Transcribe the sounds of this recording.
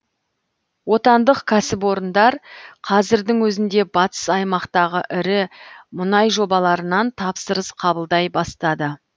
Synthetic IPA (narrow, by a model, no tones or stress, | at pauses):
wo̞t̪ɑnd̪əqkʲʰæsɪpwo̞ɾənd̪ɑɾqʰɑzɪɾd̪ɪŋwɵzɪnd̪e̞bɑt̪ə̥sɑjmɑqt̪ɑʁəʔɪɾɪmʊnɑjʒo̞bɑlˠɑɾənɑnt̪ʰɑpsəɾəsqʰɑbəlˠd̪ɑjbɑst̪ɑd̪ə